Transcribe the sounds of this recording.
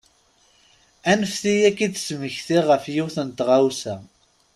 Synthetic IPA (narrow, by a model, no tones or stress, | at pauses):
ænəfθijækːid̪sməçθiʁəfjiθənt̪ʁawsæ